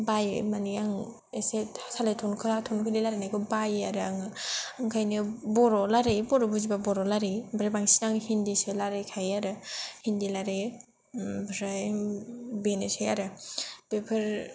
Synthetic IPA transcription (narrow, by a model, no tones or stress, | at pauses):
bajmaniaŋ | esesʰalajtʰɔnkʰɯatʰonkʰɯlilaɾenajɡʰɯbajaɾɯaŋaŋkʰajnɯbɔɾɔlaɾejbɔɾɔbuzibabɔɾɔlaɾejbɾabaŋsiaŋhindisɯlaɾejkʰajaɾɯhindilaɾe | bɾaj | benɯsajaɾɯb̥epʰɯɾ